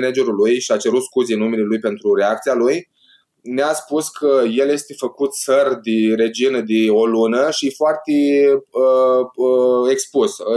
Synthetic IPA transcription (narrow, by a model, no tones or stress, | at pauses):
nad͡ʒe̞ɾulujʃiat͡ʃe̞ɾut̪skuzenːumelelujpe̞nt̪ɾuɾe̞ak̚t̪sialuj | neaspuskʰəje̞lje̞st̪e̞fəkut̪sərd̪ire̞d͡ʒinəd̪io̞lunəʃifoart̪eəəekspus